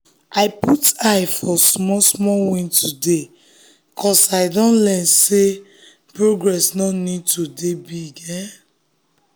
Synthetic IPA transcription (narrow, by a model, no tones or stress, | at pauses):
aɪputaɪfɔsmɔsmɔwĩntʰude | kʰɔsaɪdɔ̃nlɛnse | pɹoɡɹɛsnɔnid̚tudebiɡɛ